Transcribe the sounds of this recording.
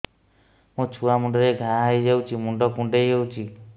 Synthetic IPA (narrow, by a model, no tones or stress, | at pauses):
mũt͡ʃʰuamuɳɖɔɾeɡʱaɦajd͡ʒawt͡ʃʰimuɳɖɔkũɳɖejɦewt͡ʃʰi